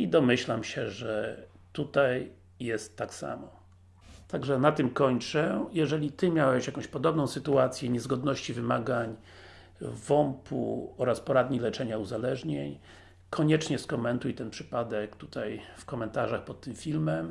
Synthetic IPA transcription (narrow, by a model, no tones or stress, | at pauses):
id̪ɔmɘɕlamɕɛʐɛ | t̪ut̪ajː | ɛst̪ːaksa̰mɔ | t̪aɡʐɛnat̪ɘmkɔɲt͡ʂɛjɛʐɛlʲit̪ɘmʲjawɛɕjakɔ̃w̃ɕpɔd̪ɔbnɔ̃w̃sɘt̪uat̪sʲjɛɲɛzɡɔd̪nɔɕt͡ɕivɘmaɡaɲ | vɔmpʰṵɔɾaspɔɾad̪ɲilɛt͡ʂɛɲauzalɛʐɲḛɲ | kʰɔɲɛt͡ʂɲɛskɔmɛnt̪ujt̪ɛnpʂɘpad̪ɛkt̪ut̪ʰajfkɔmɛnt̪aʐaxpɔt̪ːɘmfʲilmɛm